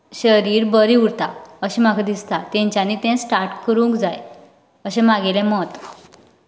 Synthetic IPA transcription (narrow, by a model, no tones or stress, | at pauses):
ɕəɾiːɾbəɾiuɾt̪aəɕimakʰad̪ist̪at̪ɛ̃ɲt͡ɕanit̪ɛ̃sʈaɾʈkəɾũŋkd͡zaj | əɕɛ̃maɡelɛ̃mɔt̪